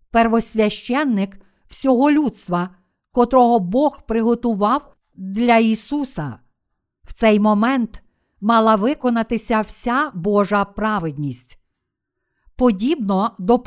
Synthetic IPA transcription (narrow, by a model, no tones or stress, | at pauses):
perʋɔsʲʋʲɐʃt͡ʃɛnːɪk | w̥sʲɔɦɔlʲut̪st̪ʋɐ | kɔt̪ɾɔɦɔbɔxpɾɪɦɔt̪ʊʋɑw | d̪lʲɐisusɐ | wt̪sɛjmɔmɛnt̪ | mɑlˠɐʋɪkɔnɐt̪ɪsʲɐwsʲabɔʒɐpɾɑʋɪd̪ʲnʲisʲtʲ | pɔdʲibnɔd̪ɔp